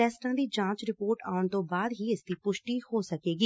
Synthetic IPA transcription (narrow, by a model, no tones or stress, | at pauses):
ɛːsʈãːd̪iːd͡ʒãːt͡ʃɾɪpoːɾʈaːʊɳt̪õːbaːd̪ɦiːɪsd̪iːpʊʃʈiːhoːsəkeːɡiː